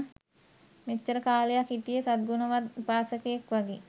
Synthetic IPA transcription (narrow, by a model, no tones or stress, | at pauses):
met͡ʃːəɾəkaːlejakiʈijesad̪̚ɡunəʋat̪paːsəkeekʋaɡi